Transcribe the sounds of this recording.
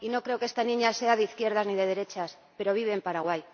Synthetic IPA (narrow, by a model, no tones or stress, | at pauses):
ino̞kɾe̞okeest̪anĩɲaseaðeiθkjeɾðazniðe̞ð̞e̞ɾe̞t͡ʃas | pe̞ɾo̞β̞iβ̞eːmpaɾaɣwaj